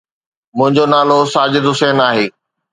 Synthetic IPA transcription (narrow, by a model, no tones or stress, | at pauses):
mʊ̃ɦɪ̃ɲd͡ʑonaːlosaːd͡ʑɪd̪ɦʊsɛːnaːɦeː